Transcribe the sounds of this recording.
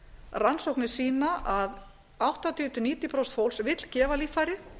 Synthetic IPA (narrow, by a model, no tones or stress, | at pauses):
ransowhknɪ̥siːnaʔað | awht̪at̪ʏːt̪ʏniːt̪ipɾɔwst̪fowlsvɪt̪l̥cɛːvaliːfajɾɪ